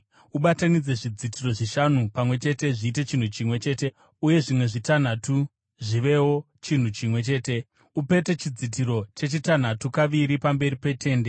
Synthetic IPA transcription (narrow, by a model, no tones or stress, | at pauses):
uɓatanid͡ze̞ʐid͡zitiro̞ʐiʃan̤upamwe̞t͡ʃe̞te̞ʐiːte̞t͡ʃin̤ut͡ʃimwe̞t͡ʃe̞ːte̞ | uje̞ʐimwe̞ʐitan̤atu | ʐiʋe̞wo̞ | t͡ʃin̤ut͡ʃimwe̞t͡ʃe̞ːte̞ | upe̞te̞t͡ʃid͡zit̬iɾo̞t͡ʃe̞t͡ʃitan̤atukaʋiɾipambe̞ɾipe̞tʰe̞ːnde̞